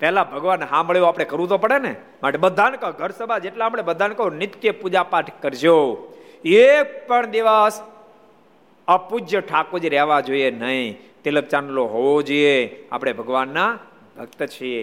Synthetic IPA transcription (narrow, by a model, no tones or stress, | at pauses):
pɛlabʱəɡʋanɦãməɭjoapɽ̃ekəɾũt̪opəɽene | maʈebəd̪ʱankəɡʱəɾsəbʱad͡ʒeʈlaːpɽ̃ebəd̪ʱankəonɪt̪kjəpud͡ʒapaʈʰkəɾd͡ʒo | ek̚pəɳd̪iʋas | əpud͡ʒjəʈʰakod͡ʒɾɛɦʋad͡ʒoienəĩt̪ilək̚t͡ʃanloɦoʋod͡ʒiea̰pɽ̃ebʱəɡʋanːa | bʱək̚t̪ət͡ʃʰie